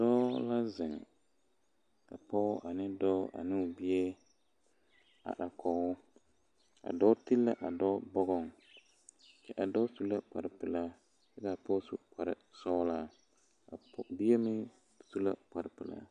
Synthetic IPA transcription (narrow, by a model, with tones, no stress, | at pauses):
dɔː˦la˦zɪ˨ŋ | ka̰˨pɔ˦ʔa˨nɪ˦dɔ˦a̰˨nɪ˦˨bi˦e˦ | a̰˨ɗa˨kɔ˨ʊ˦ | a̰˨dɔ˦ti˦lːa̰˦ʔa˨dɔː˦bɔ˦ɣɔ˦ŋ | t͡ʃɛ˦ʔa˨dɔ˦su˦la˦k͡pa˨ɾɪ˨pɨ˨la˦ | jɛ˦daː˨pɔ˦su˦k͡pa˨ɾɪ˨sɔː˦la˦ | a˨˦bi˦e˦mɪ˦ | su˦la̰˦k͡pa˨ɾɪ˨pɪ˨la̰˦